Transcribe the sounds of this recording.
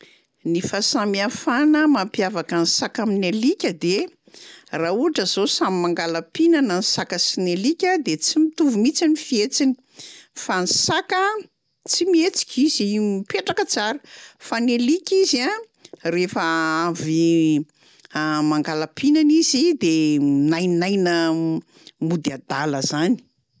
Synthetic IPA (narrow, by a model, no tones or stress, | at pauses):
nifasamiafanəmampjavakansakaminelikʲəd̪e | rauɦaʈ͡ʂəzosamimaŋɡalapinanansakəsinelikʲəd̪et͡simit̪uvumit͡sinifiet͡sini̥ | fansakə | t͡simiet͡si̥kʲʰiz̥iiumipeʈ͡ʂakət͡saɾəfanelikʲizia | refəavi | maŋɡalapinanizid̪enajnajnə | mud̪iad̪aləzani̥